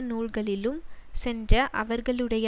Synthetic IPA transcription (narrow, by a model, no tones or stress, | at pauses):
nuːɭɣɐɭɪlɯmsɛndrɐʔɐʋɐɾɣɐɭɯɽɐj